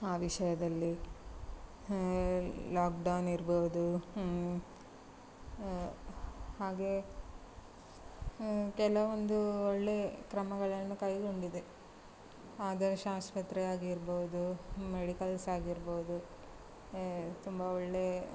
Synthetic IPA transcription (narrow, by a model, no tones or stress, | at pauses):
aːʋiʃɐjɐd̪ɐlːi | laːkɖɐwniɾboud̪u | haːɡe̞ | kɛlɐʋond̪uɔɭːe̞ːkɾɐmɐɡɐɭɐnːukɐjɡo̞ɳɖid̪e | aːd̪ɐɾɐʃaːspɐt̪ɾɛjaːɡiɾbod̪umeɽikɐlsaːɡiɾboːud̪u | t̪umbɐɔɭːe